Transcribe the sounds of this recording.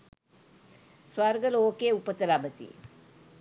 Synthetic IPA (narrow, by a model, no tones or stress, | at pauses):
sʋaɾɡəloːkeːupət̪əlabət̪ḭ